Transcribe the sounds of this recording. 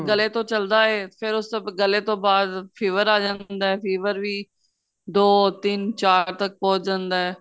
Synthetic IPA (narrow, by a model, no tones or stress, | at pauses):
ɡəleːt̪õːt͡ʃəld̪aːɦɛːpʰɪɾʊsbɡəlet̪õːbaːd̪fʰeːʋəɾaːd͡ʒãːnd̪aːɛːfʰeːʋəɾʋiː | d̪oːt̪ɪnt͡ʃaːɾt̪ək̚pɔ̃ːt͡ʃd͡ʒãːnd̪aːɦɛː